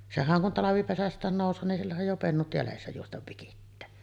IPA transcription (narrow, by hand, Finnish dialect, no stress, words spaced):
sehæŋ kun tɑlɑʋipesæstˑæːn noˑusˑoː nin silːæhæj jo penːut jælesːæ juostɑʋ ʋikitːæː